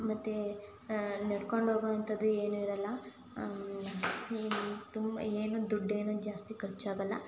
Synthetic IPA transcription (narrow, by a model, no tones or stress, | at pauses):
mɐt̪ːe | nɐɽkoɳɖɦoːɡɐɐnt̪ɐd̪ːueːnuiɾɐlːɐ | t̪umbɐ̰eːnud̪uɖːeːnud͡ʒaːst̪ikɐɾt͡ʃːaːɡɐlːɐ